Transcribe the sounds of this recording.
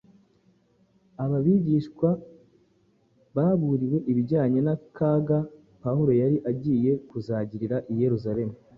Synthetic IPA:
aβaβiɟiːʃkwa | βaːβuɾiwe̞ʔiβiɟaːɲenakaɡa | pahuɾo̞jaɾiʔaɟiːje̞kuzaːɟiɾiɾaʔije̞ɾuzaɾe̞mu

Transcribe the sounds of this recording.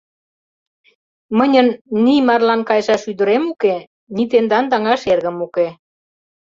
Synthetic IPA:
mənʲənːimɑrlɑnkɑjʒɑʃyd̪ə̆ɾemuke | nit̪end̪ɑnd̪ɑŋɑʃerɣə̆muke

